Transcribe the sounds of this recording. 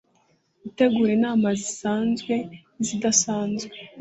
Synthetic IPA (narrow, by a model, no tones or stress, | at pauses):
ite̞ɡuːɾenaːmazisaːnzɡwe̞ | zidasaːnzɡe